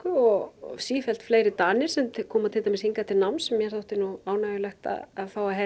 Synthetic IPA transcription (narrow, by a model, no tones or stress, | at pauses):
kʏɔɣsiːfɛl̥t̪fleːjɾɪt̪aːnɪɾ̥sɛmt̪kʰɔːmat̪ʰɪlt̪amɪshiŋkat̪ʰɪlnawmnsɛmjɛɾθowht̪ɪnuaːwnaːjʏlɛxt̪a̰ðaðfaːwaɦɛ